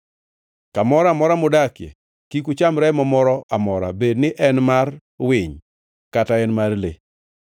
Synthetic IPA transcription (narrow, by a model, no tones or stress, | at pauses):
kamɔɾamɔɾamʊdakjḛ | kikut͡ʃamɾɛmɔmɔɾɔʔamɔɾa̰bednɪʔɛnmar | wɪɲ | kataɛnmarlḛ